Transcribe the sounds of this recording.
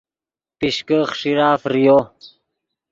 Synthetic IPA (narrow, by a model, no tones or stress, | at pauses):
piɕkəχʂiɾaːfɾijo